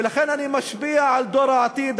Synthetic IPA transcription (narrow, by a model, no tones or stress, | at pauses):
laxeːnʔanimaʃbiːaʕald̪oːɾˤɑʕat̪ˤiːd̪